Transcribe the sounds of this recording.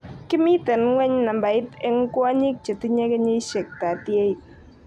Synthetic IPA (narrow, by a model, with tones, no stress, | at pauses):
kɪ˦mi˦tɛ˨nŋwɛ˦ɲna˨mba˨ɪ˦tɛ˦ŋ˦kwa˦ɲi˦k̚t͡ʃe˨ti˦ɲe˦kɛ˦ɲe˦ʃɛ˨k̚ta˨tje˦i˨t̚